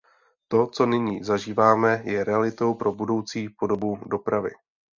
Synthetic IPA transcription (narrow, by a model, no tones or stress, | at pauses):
t̪o̞t͡so̞nɪɲiːzaʒiːvaːmɛjɛɾɛalɪt̪o̞wpɾʔo̞budo̞wt͡siːpo̞do̞budo̞pɾavɪ̰